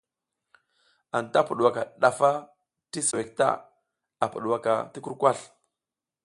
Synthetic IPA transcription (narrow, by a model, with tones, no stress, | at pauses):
a˨nta˦pu˨ɗwa˨ka˨ɗa˨fa˦ | ti˦su˨e˨k̚ta̰˦ | a˨pu˨ɗwa˨ka̰˨ti˦ku˦ɾkʷa˦˨ɬ